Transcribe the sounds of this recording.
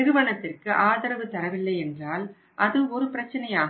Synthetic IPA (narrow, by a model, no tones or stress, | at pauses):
ɪɾɯʋɐɳɐt̪ːɪrkɯʔaːðɐɾɐʋɯt̪ɐɾɐʋɪlːɐɪɛndraːl | ʔɐðɯɔɾɯpɪɾɐt͡ʃːɐnɐjaː